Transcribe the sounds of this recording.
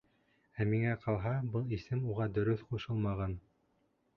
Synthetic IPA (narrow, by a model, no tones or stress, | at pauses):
æmiŋæqʰɑlˠɦɑbɤlˠisɘmuʁɑd̪ɵ̆ɾɵθquʃɤlˠmɑʁɑn